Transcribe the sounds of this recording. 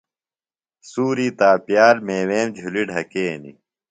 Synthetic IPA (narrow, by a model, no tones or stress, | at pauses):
suːɾiːt̪aːpjaːɾmeːweːmd͡ʑʱuliɖʱɐkeːnḭ